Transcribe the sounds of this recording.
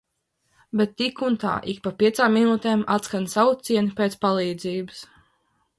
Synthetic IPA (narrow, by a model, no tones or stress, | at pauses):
bɛt̪ːikunt̪a̰ːʔik̚papʲiɛt̪saːmːinuːt̪eːmat̪skansawut̪siɛnipʲeːt̪spalˠiːd̪ziːbɨs